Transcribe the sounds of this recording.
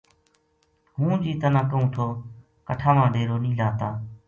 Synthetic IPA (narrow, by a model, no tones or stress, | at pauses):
ɦũːd͡ʒiːt̪ənãːkəɦũːt̪ʰoː | kəʈʰaːmãːɖeːɾoːnĩːlaːt̪aː